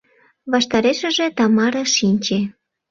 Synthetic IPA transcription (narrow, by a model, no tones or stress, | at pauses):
βɑʃt̪ɑɾeʃə̆ʒĕt̪ɑmɑɾɤʃinʲt͡ɕe